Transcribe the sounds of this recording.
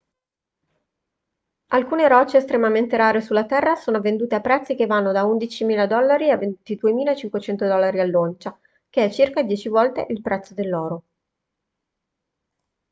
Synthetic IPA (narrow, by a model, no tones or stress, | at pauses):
alkuːneɾɔt͡ʃːeːst̪ɾemament̪eɾaːɾesulːat̪ɛrːasoːnovend̪uːt̪eapːɾɛt̪sːik̟evːanːod̪aund̪it͡ʃimiːlad̪ɔlːaɾiavːent̪id̪uemiːlaet͡ʃiŋkwet͡ʃɛnt̪od̪ɔlːaɾialːont͡ʃa | k̟eɛt͡ʃːirkad̪jɛːt͡ʃivɔlt̪ḛʔilpɾɛt̪sːod̪elːɔːɾo